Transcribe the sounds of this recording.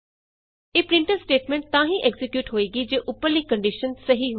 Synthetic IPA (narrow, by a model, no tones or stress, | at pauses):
eːpɾɪ̃ɳʈəɾsʈeːʈmẽɳʈ̚t̪ãːɦĩːʔɛɡzɪkjuːʈɦoːiːɡiːd͡ʒeːʔʊpːəɾliːkə̃ɳɖɪʃənsəɦiɦo